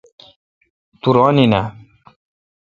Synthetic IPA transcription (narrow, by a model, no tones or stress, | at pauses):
t̪uɾɔːnina